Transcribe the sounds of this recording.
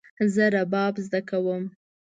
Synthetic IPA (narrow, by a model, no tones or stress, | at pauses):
zəɾabɑbzd̪akawəm